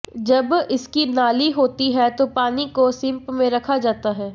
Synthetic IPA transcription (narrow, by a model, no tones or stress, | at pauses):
d͡ʒɐbɪskinaːliɦoːt̪iɦɛt̪opaːnikosɪ̃mpmẽɾɐkʰad͡ʒaːt̪aɦɛː